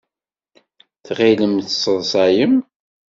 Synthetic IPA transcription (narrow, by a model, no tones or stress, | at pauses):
θʁiləmθsˤəðˤsˤɑjəm